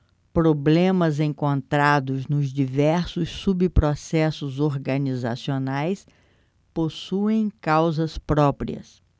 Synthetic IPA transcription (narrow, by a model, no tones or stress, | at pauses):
pɾoblẽmɐzẽŋkõnt̪ɾad̪ʊznʊzd͡ʒivɛɾsʊsːubipɾosɛsʊzoɾɡɐniza̰sionajs | posuẽj̃kawzɐspɾɔpɾḭɐ̰s